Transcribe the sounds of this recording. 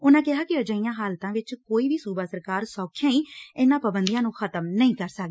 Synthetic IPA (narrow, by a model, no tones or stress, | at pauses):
ʊnãːkɪɦaːkɪəd͡ʒəijãːɦaːlt̪ãːʋɪt͡ʃkoːiːʋiːsuːbaːsəɾkaːɾsɔːkʰjãːĩːɪnãːpəbənd̪ijãːnũːxʰət̪əmnəĩːkəɾsək̪ː